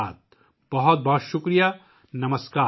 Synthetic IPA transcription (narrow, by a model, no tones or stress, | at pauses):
aːt̪̚ | b̥ɐɦɔt̪̚bɐɦɔt̪ʃʊkɾija | nɐməskaː